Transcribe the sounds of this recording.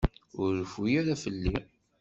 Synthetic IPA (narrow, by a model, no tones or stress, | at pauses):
ʊɾːəfujaɾafəlːi